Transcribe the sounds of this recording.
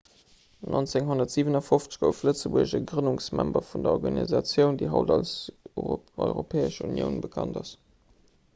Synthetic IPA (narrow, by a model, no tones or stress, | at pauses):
nʔont͡seŋɦonɐtz̥iːvənɑfoft͡sə̥ɡoʊflət͡səbuəɕəɡʁənuŋsmæmbɐfundɐɔʁɡɑnḭzɑt͡sjəʊndiːɦɑ̰ʊdɑls | ɔ̰ʏʁopʰɛːəʃṵnjə̰ʊnbəkʰɑ̰ndɑs